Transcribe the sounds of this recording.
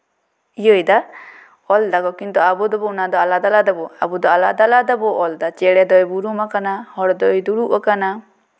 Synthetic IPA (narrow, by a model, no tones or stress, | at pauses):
ijəjd̪a | ɔld̪aɡɔkint̪ɔabɔd̪ɔbɔunad̪ɔalad̪alad̪abɔabud̪ɔalad̪alad̪abɔʔɔld̪at͡ʃɛɽɛd̪ɔjbuɾumakanahɔɽd̪ɔjd̪uɽuʔakana